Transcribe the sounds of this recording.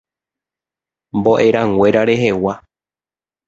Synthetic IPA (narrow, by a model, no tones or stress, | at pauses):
mbo̞ʔe̞ɾãŋwʷe̞ɾaɾe̞ɦe̞wa